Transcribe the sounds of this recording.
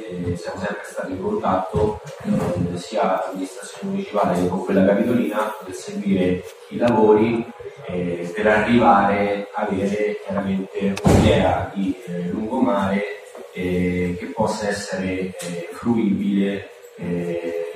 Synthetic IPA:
sjaːmosɛmpɾest̪aːt̪iŋkont̪at̪ːo | siːalaamːinist̪ɾat̪sːjonemunit͡ʃipaːlekoŋkwelːakapit̪oliːnapot̪eseɡwiːɾe | ilavoːɾi | peɾarːivaːɾeaːveːɾekjaɾament̪eunid̪ɛːad̪iluŋɡomaːɾe | ɛk̟epːɔsːaɛsːeɾefɾuiːbile

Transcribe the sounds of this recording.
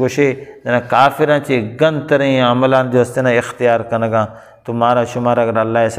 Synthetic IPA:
ɡoʃeɐnãːkaːfɪɾãːt͡ʃeːɡɐ̃nt̪ɐɾĩːɐməlãːnd͡ʒoɐst̪enãːɪxt̪ɪjaːɾkɐnəɡãː | t̪umaːɾaːʃʊmaːɾɐɡɐɾɐlːaːes

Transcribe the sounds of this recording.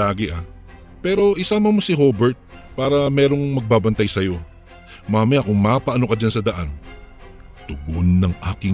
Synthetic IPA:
aːɡɪʔa | pɛːɾo̞ʔɪsaːmɐnmo̞sɪho̞ːbɛɹt̪̚paːɾɐmɛːɾo̞ŋmɐɡ̚baːbɐnt̪ajsɐjo̞ | maːmɐjakʊŋmaːpɐʔɐnokɐd͡ʒansɐd̪ɐʔan | t̪ʊbonːɐŋʔaːkɪŋ

